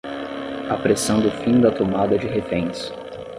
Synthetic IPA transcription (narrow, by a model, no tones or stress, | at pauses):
apɾesɐ̃nd̪ʊfĩd̪ɐt̪omad̪ɐd͡ʒɪɦefẽj̃s